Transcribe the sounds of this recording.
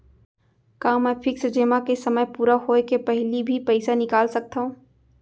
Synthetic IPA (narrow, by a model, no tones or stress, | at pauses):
kaːmɛ̃ːpʰɪksd͡ʒeːmakesɐməjpuːɾaɦoːekepɛɦlibʱipɛɪsanɪkaːlsɐk̚t̪aɦũː